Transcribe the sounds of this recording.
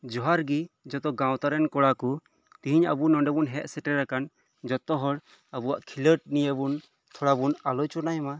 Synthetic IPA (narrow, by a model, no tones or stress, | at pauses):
d͡ʒɔɦaɾɡid͡ʒɔt̪ɔɡãwt̪aɾɛnkɔɽakɔ | t̪ĩɦiɲabunɔɳɖɛbunɦɛʔsɛʈɛɾakan | d͡ʒɔt̪ɔɦɔɽ | abuwaʔkʰiləʈ̚nijəbun | t̪ʰɔɽabunalɔjt͡ʃɔnajma